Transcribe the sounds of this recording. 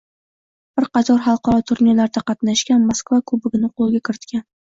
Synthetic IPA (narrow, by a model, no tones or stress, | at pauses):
b̥ɪɾqɑt̪ʰɒɾɦɑlˠqʰɑɾɒt̪ʰʊɾnilaɾd̪aqɑt̪naʃkʲanmoskvakʰɵbɪɡʲɪnɪqʰolˠɡʲakʲʰɪɾɪt̪kʲan